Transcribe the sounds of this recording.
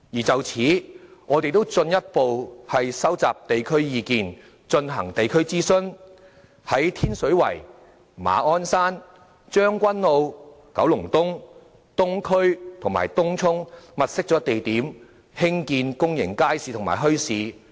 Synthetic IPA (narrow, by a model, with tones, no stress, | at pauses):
jiː˨˩t͡sɐ˨wt͡sʰiː˨˥ŋɔː˨˧t̪e˨jt̪o˥wt͡sɵ˧njɐ˥t̚po˨whɐ˨jsɐ˥wt͡saː˨p̚t̪e˨jkʰɵ˥ɥjiː˨˧kiː˨n | t͡ʃɵ˧nɦɐ˨˩ŋt̪e˨jkʰɵ˥ɥt͡siː˥sɵ˥n | hɐ˨˥jt̪ʰiː˥nsɵ˨˥ɥwɐ̰˨˩j | ma̰ː˨˧ɔː˥nsaː˥n | t͡ʃœː˥ŋkʷɐ˥nlo˨˧w | kɐ˨˥wlʊ˨˩ŋt̪ʊ˥ŋ | t̪ʊ˥ŋkʰɵ˥ɥt̪ʰʊ˨˩ŋma̰ː˨jt̪ʊ˥ŋt͡sʰʊ˥ŋmɐ˨t̚sɪ˥k̚t͡sɔː˨˥t̪e˨jt̪iː˨˥m | hɪ˥ŋkiː˧nkʊ˥ŋjɪ̰˨˩ŋkaː˥jsiː˨˧t̪ʰʊ˨˩ma̰ː˨˩jɦɵ˥ɥsiː˨˧